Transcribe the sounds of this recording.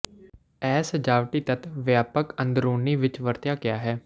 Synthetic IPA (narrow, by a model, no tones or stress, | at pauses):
ɛːsəd͡ʒaːʋʈiːt̪ət̪ʋjaːpəkənd̪ɾuːniːʋɪt͡ʃʋəɾt̪jaːkɪjaːɦɛː